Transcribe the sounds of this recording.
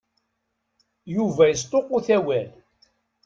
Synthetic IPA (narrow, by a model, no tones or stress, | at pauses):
juvæjəst̪ˤoquθæwæl